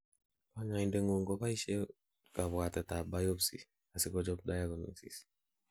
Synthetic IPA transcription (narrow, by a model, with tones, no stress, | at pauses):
ba˦ɲa˨i˨nde˦ŋo˨ŋɡɔ˦ba˦i˦ʃe˦ | ka˨βwa˨tɛ˨ta˨ba˦jo˦psḭ˨ | a˨si˦kɔ˦d͡ʒɔ˦p̚da˦ja˦ɡɔ˨nḭ˨sḭ˨s